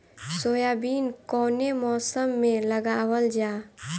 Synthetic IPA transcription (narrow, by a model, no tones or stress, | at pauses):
soːjaːbiːnkɔːnemɔːsəmːẽləɡaːʋəld͡ʒaː